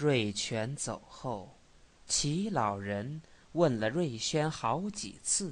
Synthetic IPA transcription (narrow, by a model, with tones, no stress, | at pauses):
ɻwe˥˩ɪt͡ɕʰɥɛ˧˥nt͡so˨˩ʊxo˥˩ʊ | t͡ɕʰi˧˥lɑ˨˩ʊɻə˧˥nwə˥˩nlə˩ɻwe˥˩ɪɕɥɛ˥nxɑ˧˥ʊt͡ɕḭ˨˩t͡sʰɹ̩˥˩